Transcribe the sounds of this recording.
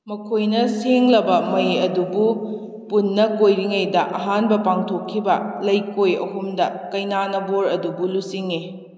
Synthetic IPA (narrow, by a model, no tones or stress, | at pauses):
mɐkʰojnɐseŋlɐbɐmɐjɐdubu | punːɐkojɾiŋɐjdɐʔɐɦanbɐpaŋtʰokʰːibɐlɐjkojɐ̰humdɐkɐjnanɐboɾɐdubulusiŋi